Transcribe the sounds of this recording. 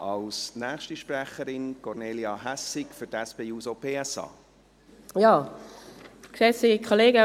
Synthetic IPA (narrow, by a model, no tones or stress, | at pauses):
ʔɑlsnæːχʃtiʃprɛχəɾɪnkɔrneːliɑɦæsɪkfʏtɛspeːuːsopʰeːɛsɑ̰ː | jɑː | kʃɛsikʰoleːɡə